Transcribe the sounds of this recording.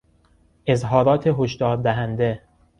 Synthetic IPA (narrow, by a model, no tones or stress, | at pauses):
ʔezɦɒːɾɒːt̪ʰeɦoʃd̪ɒːɾd̪æɦænd̪e